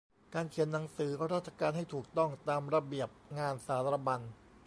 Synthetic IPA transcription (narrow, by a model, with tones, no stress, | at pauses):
kaː˧nkʰi˩˦ənːa˩˦ŋsɯː˩˦kʰɔ˧˥˧ɾaː˥˩t̪̚t͡ɕʰa˧kaː˧nhɦa˥˩jt̪ʰuː˨˩k̚t̪ɔ˥˩ŋt̪aː˧mɾa˧bi˨˩əp̚ŋaː˧nsaː˩˦˥t̪ɾa˧ba˧n